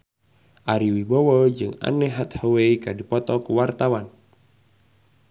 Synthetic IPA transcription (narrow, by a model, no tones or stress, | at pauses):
ʔaɾiwibowɔd͡ʒɨŋa̰nɛɦat̪howeikadipɔt̪ɔkuwart̪awan